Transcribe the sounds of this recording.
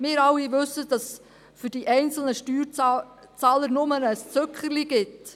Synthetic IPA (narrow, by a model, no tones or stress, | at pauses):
mɪːɾɑwːiʋɵsːəd̥ɑs | fʏɾd̥iʔɛɪnt͡sl̩nəʃtyːɾ | t͡sɑːləɾnʊmənəst͡søkχəɾliɡɪt